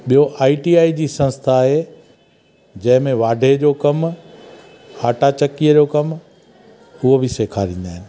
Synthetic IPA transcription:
ɓijoʔaːiʈiːaːid͡ʑiːsɐ̃nst̪ʰaːɦe | d͡ʑɐ̃ɦɪ̃mẽʋaːɖʱed͡ʑoːkɐm | aːʈat͡ɕɐkijəd͡ʑoːkɐm | ʊɦobʱɪseːkʰaːɾĩːn̆d̪aːɦɪnɪ̆

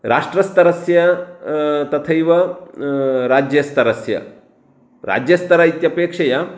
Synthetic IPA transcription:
ɾʔaːʂʈɾɐst̪ɐɾɐsjɐ | t̪ɐt̪ʰɐjʋɐ | ɾaːd͡ʒjɐst̪ɐɾɐsjɐ̰ | ɾa̰ːd͡ʒjɐst̪ɐɾaːjit̪jɐpeːkʂɐjɐ

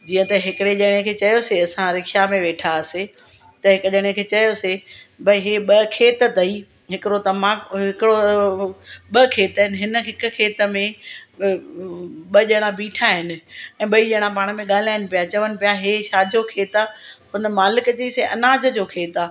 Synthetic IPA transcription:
d͡ʑiːə̃t̪ɐɦɪkɪɽeʄɐɽ̃ẽkʰeːt͡ɕɐjoseɐsãɾɪkʰjamẽʋeːʈʰase | t̪ɐɦɪkʄɐɽ̃ẽkʰeːt͡ɕɐjosebʱɐiɦeɓɐkʰeːt̪ət̪ɐi | ɦɪkɪɾot̪ɐmãɦɪkɽo | ɓəkʰeːt̪əɦɪnɪɦɪnə̆ɦɪkʊ̆kʰeːt̪ə̆mẽ | ɓɐʄɐɽ̃ãbiːʈʰaɦɪnɪ̆ɛ̃ːɓɐiʄɐɽ̃ãpaːɽ̃ə̆mẽɠaːl̤aːɪnɪ̆pijat͡ɕɐʋənɪ̆pijaɦeʃaːd͡ʑʱokʰeːt̪ahʊnə̆maːlɪkət͡ɕeiseʔɐnaːd͡ʑə̆d͡ʑoːkʰeːt̪aː

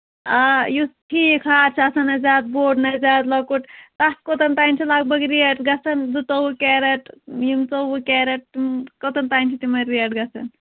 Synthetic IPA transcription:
ajusʈʰiːkʰaːɾt͡ʃʰɐsɐnɐzaːd̪̚boːɖnɐzaːd̪lɐkuʈt̪askot̪ɐnt̪aːjnt͡ʃʰilaɡ̚bɐɡɾieʈɡɐsɐnd̪ut̪owukɛːɾɐʈjimt͡sobukɛːɾɐʈ̚t̪imkot̪ɐnt̪aːjnt͡ʃʰit̪imɐɾːiɐʈɡɐsʰɐn

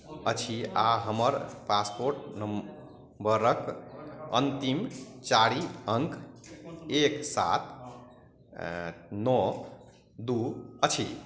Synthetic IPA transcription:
ət͡ʃʰiaɦəməɾpaspoɾʈnəm | bəɾəkə̰nt̪imt͡ʃaɾiəŋk | eksa̰t̪ | nɔ | d̪uət͡ʃʰi

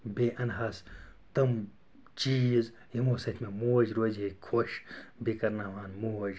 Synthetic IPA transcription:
beʔɐnɦɐst̪ɐm | t͡ʃiːz | jimoːsɐt̪ʰmemoːd͡ʒɾoːd͡ʒekʰoʃbikɐɾnaːʋaːnmoːd͡ʒ

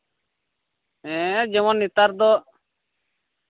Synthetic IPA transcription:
ɛ̃ːd͡ʒɛmɔnːit̪aɾd̪ɔ

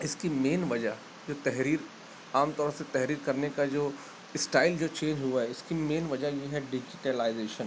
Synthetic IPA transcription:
ɪskimeːnʋɐd͡ʒaɦ | d͡ʒoːt̪ɛɦɾiːɾ | aːmt̪ɔːɾset̪ɛɦɾiːɾkɐɾnekad͡ʒoː | ɪsʈaːɪld͡ʒoːt͡ʃẽːnd͡ʒɦuaɦɛɪskimeːnʋɐd͡ʒajeɦɛɖɪd͡ʒɪʈelaɪzeːʃə̃n

